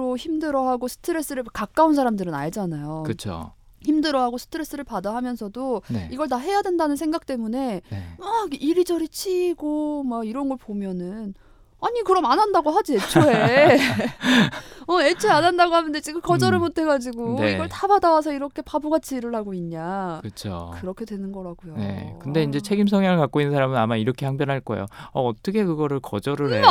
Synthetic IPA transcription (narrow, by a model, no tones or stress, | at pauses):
ɾoçimdɯɾʌɦaɡosʰɯ̥tʰɯɾe̞s͈ɯɾɯɭkak͈̚auns̬ʰaɾamdɯɾɯna̰ɭd͡ʑanajokɯt͡ɕʰo̰ | çimdɯɾʌɦaɡosʰɯ̥tʰɯɾe̞s͈ɯɾɯɭpadaɦamjʌnsʰʌdonḛiɡʌɭtaɦe̞jadwe̞ndanɯnsʰe̞ŋɡak̚t͈e̞mune̞aɡʔiɾid͡ʑʌɾit͡ɕʰiːɡomaɡiɾʌnɡʌɭpomjʌnɯn | aɲikɯɾʌmanɦandaɡoɦad͡ʑie̞t͡ɕʰoe | ʌe̞t͡ɕʰoanɦandaɡoɦanɯndet͡ɕikɯkʌd͡ʑʌɾɯɭmotʰe̞ɡad͡ʑiɡoniɡʌɭtabadawasʰʌiɾʌkʰe̞pabuɡat͡ɕʰiːɾɯɭhaɡoiɲɲakɯt͡ɕʰo̰kɯɾʌkʰe̞dwe̞nɯnɡʌɾaɡujone̞̰kɯnde̞ind͡ʑe̞t͡ɕʰe̞ɡimsʰʌŋjaŋɯɭkak͈oinɯnsʰaɾamɯnamaiɾʌkʰe̞haŋp̬jʌnɦaɭk͈ʌḛjo̰ʌːt͈ʌkʰe̞kɯɡʌɾɯɭkʌ̰d͡ʑʌɾɯɦe